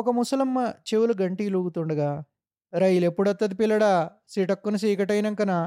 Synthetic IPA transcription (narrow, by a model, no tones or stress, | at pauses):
ɔkɐmusɐlɐmːɐt͡ʃewuluɡɐɳʈiːluːɡut̪uɳɖɐɡaː | ɾɐjilepːuɽɐt̪ːɐd̪ipilːɐɽaː | siːʈɐkːunɐs̬iːkɐʈɐjnɐŋkɐnaː